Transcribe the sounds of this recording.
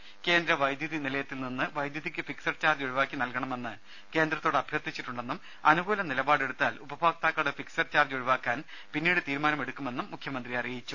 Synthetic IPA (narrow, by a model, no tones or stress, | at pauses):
ke̞ːnd̪ɾɐʋɐjd̪jɐðinilɐjɐt̪ːilninːɨʋɐjd̪jɐðikʲːɨfiksɐrt͡ɕaːrd͡ʑuɻiʋaːkːinɐlkɐɳɐme̞nːɨ | ke̞ːnd̪rɐt̪ːoːɽɐbʱjɐrt̪ʰit͡ɕːiʈːuɳɖe̞nːum | ɐnuɡuːlɐnilɐbaːɽe̞ɽut̪ːaːlubɐbʱaːɡt̪aːkːɐɽefiksɐrt͡ɕaːrd͡ʑuɻiʋaːkːaːn | pinːiːɽɨt̪iːɾumaːnɐme̞ɽukːume̞nːumːukʰjɐmɐnd̪riɐrijit͡ɕːu